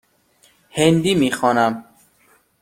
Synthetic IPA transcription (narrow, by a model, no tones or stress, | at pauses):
hend̪imixɔːnæm